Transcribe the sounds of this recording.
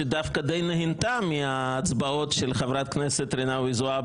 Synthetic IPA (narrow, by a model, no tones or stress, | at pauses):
ed̪afkad̪ejnehint̪amiaːt͡sbao̞tʃelχavɾat̪̚kneset̪ɾenavizua